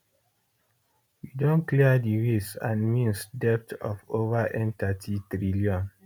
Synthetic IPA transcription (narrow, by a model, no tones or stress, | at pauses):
widõnkliədiɹesãnmĩnsdɛp̚tɔ̰fovaʔɛ̃ntatʰitɹiliɔ̃n